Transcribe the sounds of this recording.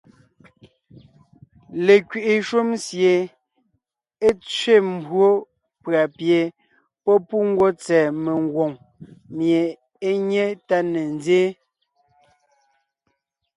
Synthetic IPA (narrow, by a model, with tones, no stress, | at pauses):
le˨kɥi˨ʔi˨ʃu˦msje˨ | e˦t͡sɥe˦˨m̩˦˨bwo˦ | pɰa˨pje˨ | pɔ˦pu˦ŋ̩˦ɡwo˦t͡sɛː˨me˨ŋ˦ɡwo˨ŋ | mje˨ | e˦ɲe˦ta˦ne˨n˦d͡zeː˦